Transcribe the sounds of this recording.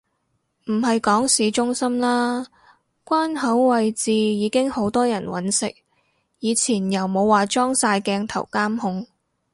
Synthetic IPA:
m̩˨˩ɦɐ˨jkɔː˨˥ŋsiː˨˥t͡ʃʊ˥ŋsɐ˥mlaː˥ | kʷwaː˥nɦɐ˨˥wwɐ˨jt͡siː˨jiː˨˧kɪ˥ŋho˨˥wt̪ɔː˥jɐ˨˩nwɐ̰˨˥nsɪ̰˨k̚ | jiː˨˧t͡sʰiː˨˩njɐ˨wmo˨˧waː˨t͡ʃɔː˥ŋsaː˧jkɛː˧ŋt̪ʰɐ˨˩wkaː˥mhʊ˧ŋ

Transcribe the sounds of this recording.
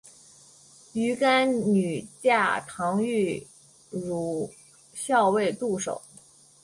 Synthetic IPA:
y˧˥ka˥nny˨˩t͡ɕja˥˩t̪ʰɑ˧˥ŋy˥˩ | ɻu˨˧˩ | ɕjɑ˥˧ʊwe˥˧ɪt̪u˥˩ʂo̰˨˩˦ʊ

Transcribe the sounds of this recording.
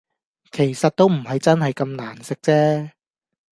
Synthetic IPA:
kʰe˨˩jsɐ˨t̚t̪o˥wm̩˨˩hɐ˨jt͡sɐ˥nhɐ˨jkɐ˧mnaː˨˩nsɪ˨k̚t͡sɛː˥

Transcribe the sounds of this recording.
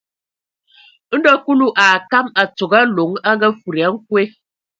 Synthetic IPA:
n̩˦dɔ˦ku˦lu˦ʔaː˨ka˦ma˨t͡so˨ɡa˦lo˨˦ŋa˦ŋɡɛ˦fu˨ɾi˨a˨˦ŋ̩˦k̚we˦

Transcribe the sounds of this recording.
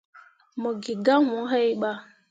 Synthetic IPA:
mɔ˨ɡi˨ɡa˦wũ˨˦ɦɛ˦i˦ɓa˦

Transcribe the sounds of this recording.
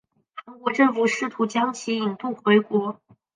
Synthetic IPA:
xa˧˥ŋkwɔ˧˥ʈ͡ʂɤ˥˧ŋfu˨˩ʂɻ̩˥˩t̪ʰu˧˥t͡ɕjɑ˥ŋt͡ɕʰi˧˥i˨˩ŋt̪u˥˩xwe˧˥ɪkwɔ˧˥

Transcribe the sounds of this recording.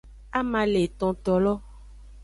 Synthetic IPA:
a˦mã˨le˨t̪ɔ̃˨t̪ɔ˨lɔ˦

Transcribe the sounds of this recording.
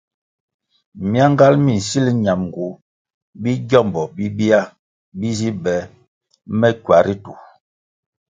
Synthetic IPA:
mja˦ŋ˦ɡa˦lmi˨n̩˨si˦li˦ɲa˨mŋ˨ɡu˨˦ | bi˦ɟɔ˦˨mbɔ˨bi˦bi˦a˦ | bi˦zi˦bɛ˨˦ | mɛ˦kɥwa˨ɾi˦tu˨

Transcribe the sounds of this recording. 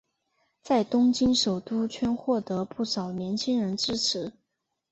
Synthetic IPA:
t͡sa˥˩ɪt̪ʊ˥ŋt͡ɕi˥ŋʂo˨˩ʊt̪u˥t͡ɕʰɥɛ˥nxwɔ˥˩t̪ɤ˧˥pu˥˩ʂɑ˨˩ʊnjɛ˧˥nt͡ɕʰi˥ŋɻə˧˥nʈ͡ʂɻ̩˥ʈ͡ʂʰɻ̩˧˥

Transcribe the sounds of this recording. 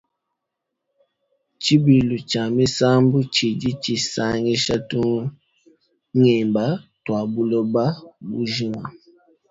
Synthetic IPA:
t͡ʃi˦bi˨lu˨t͡ʃa˨mi˦sa˦mbu˦t͡ʃi˨d͡ʒi˦t͡ʃi˨sa˦ŋi˦ʃa˦tu˦ | ŋɛ˨mba˦twa˨bu˦lɔ˦ba˦bu˦ʒi˦ma̰˨

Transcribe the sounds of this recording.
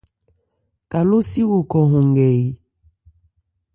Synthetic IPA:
ka˨lu˦si˦wu˨kɔ˨ɦũ˨ŋɡɛ˨i˨

